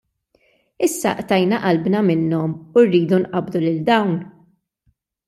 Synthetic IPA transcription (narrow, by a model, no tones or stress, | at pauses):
ɪsːɐ̰ʔt̪ɐjnɐʔɐlbnɐmɪnːɔmurːiːd̪unʔɐbd̪ulɪld̪ɐwn